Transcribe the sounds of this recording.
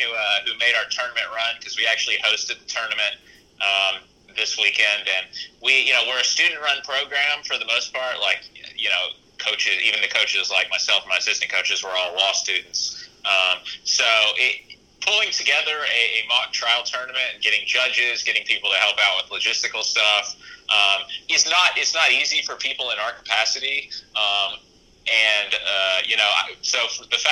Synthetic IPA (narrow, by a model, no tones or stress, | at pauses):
hʉʌhʉmeɪɾaʊə˞tʰɜ˞nəmɨ̃nʔɹʌ̃nkʰʌzwiæk̚t͡ʃʉl̩ˠihoʊstɨd̪̚ðɨtʰɜ˞nɨmɨ̃nt̚ | ʔʌ̃m | ðɪswikɛ̃ndɨ̃nwijɨnoʊwɪɹɨstʉdⁿn̩ʔɹʌ̃npʰɹ̥oʊɡɹæ̃ɱfə˞ðəmoʊspʰɑɹʔlaɪkʌjɨnoʊ | kʰoʊt͡ʃɪzḭvɨ̃nðɨkʰoʊt͡ʃɨzlaɪk̚maɪsɛlˠfn̩maɪsɪsnɨkʰoʊt͡ʃɨzwə˞ɔlˠlɔstʉdⁿn̩tsʌ̃msoʊʔɪ | pʰʊlˠɪ̃ŋtʰɨɡɛðə˞ɨɨmɑk̚tʰɹ̥aɪl̩ˠtʰɜ̃˞nɨmɨ̃ntɨ̃n̩ɡɛɾɪ̃ŋd͡ʒʌd͡ʒɪzɡɛɾɪ̃ŋpʰipl̩ˠtɨhɛlˠpaʊt̚wɨðlɨd͡ʒɪstɨkl̩ˠstʌfʔʌ̃mɨtznəɾɪtsnəɾizifə˞pʰipl̩ˠə̃naʊə˞kʰə̥pʰæsɨɾiʌ̃m | ʔɨ̃nʌjɨnoʊa̰ɪsoʊfðɨfæ